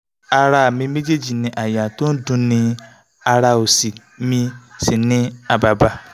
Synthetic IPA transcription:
a˦ɾa˧˦˨mĩ˧me˦d͡ʒe˦d͡ʒi˨nĩ˦ʔa˨ja˨to˦n̩˦dũ˦nĩ˧ | a˧ɾa˧o˨si˨ | mĩ˧si˨nɪ̃˦a˨ba˨ba˨

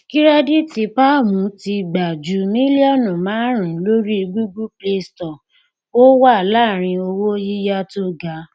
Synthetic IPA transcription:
ki˦ɾa˦di˦ti˧pa˦˨mũ˨˦ti˧ɡ͡ba˨d͡ʒu˨˦mĩ˦li˦ɔ˦˨nɔ̃˨mãː˨˦ɾ̃ĩ˨˦lo˦ɾi˦i˧ɡ͡bu˦ɡu˦ple˧stɔ˨ | wo˦wa˦˨la˦˨ɾ̃ĩ˧o˧wo˦ji˦ja˦to˦ɡa˨˦

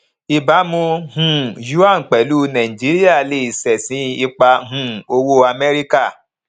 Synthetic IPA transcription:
i˨ba˨˦mũ˧ɦũ˧˨ju˦a˦˨ŋ̩˨k͡pɛ˨lu˦nã˨ĩ˨d͡ʒi˨˦ɾi˦a˦˨le˨˦˨i˨sɛ˨sĩ˨˦i˧k͡pa˧ɦũ˦o˧wo˦a˧mɛ˦ɾi˦ka˦˨

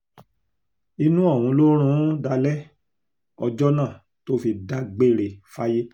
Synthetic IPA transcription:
i˧nũ˦ɔ˦˨wũ˧˦˧lo˦ɾ̃ũ˦da˧lɛ˦ | ɔ˧d͡ʒɔ˦nãː˦˨ | to˦fi˧da˧ɡ͡be˦˨ɾe˨fa˦je˦

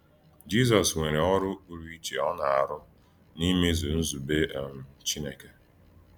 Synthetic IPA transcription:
d͡ʒi˦zɔ˨swe˨ɾe˨ɔ˦ɾʊ˦u˨ɾi˦i˦t͡ʃe˨ɔ˦na˨a̰˨ɾʊ˦ | ni˦me˦zu˨n̩˦zu˨be˦ʔm̩˨t͡ʃi˦ne˨ke˨

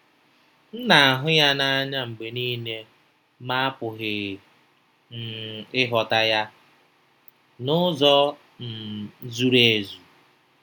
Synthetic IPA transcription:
n̩˦na˨a˨ɦʊ˦ja˦na˦a˦ɲa˦ŋ͡m̩˨ɡ͡be˨ni˦ne˦ | ma˦a˦pʊ˨ɦɪ˨ | n̩˨ɪ˦ɦɔ˨ta˦ja˦ | nʊ˦zɔ˦ | n̩˨˦zu˦ɾe˨˦˨zu˨

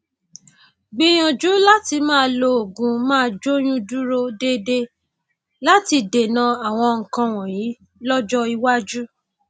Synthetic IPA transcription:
ɡ͡bĩ˧j̃ɔ̃˨d͡ʒu˨˦la˦ti˧mãː˦˧lo˧o˨ɡũ˨˧mãː˦˧d͡ʒo˦j̃ũ˦du˦ɾo˦de˦de˧ | la˦ti˧de˨nã˧˦a˨w̃ɔ̃˧ŋ̩˨kã˧w̃ɔ̃˨jĩ˨˦ | lɔ˦d͡ʒɔ˦i˧wa˦d͡ʒu˦

